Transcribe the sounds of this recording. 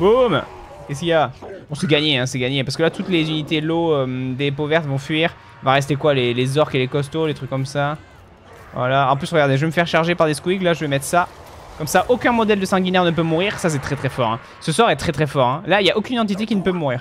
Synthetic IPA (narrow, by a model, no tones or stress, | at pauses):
bom | kʲɛskʲijabɔ̃sɛɡaɲeɛ̃sɛɡaɲepaʁsə̥kəlat̪ut̪lezynit̪eloød̪epovɛʁt̪vɔ̃fɥiːʁ | vaʁɛs̬t̪ekwalelezɔʁkelekɔs̬t̪olet̪χykːɔmsa | vwa̰laɑ̃plysʁəɡaʁd̪eʒəveməfɛʁʃaʁʒepaʁd̪eskwiklaʒəvemɛt̪χsa | kɔmsaʔokʲɛ̃mɔd̪ɛld̪əsɑ̃ɡʲinɛʁnəp̬ømuʁiʁsas̬ɛt̪χɛt̪χɛfɔʁɛ̰̃ | səswaʁɛt̪χɛt̪χɛfɔʁɛ̃lailjaʔokʲynɑ̃t̪̬it̪̬ekʲinəpømuʁiːʁ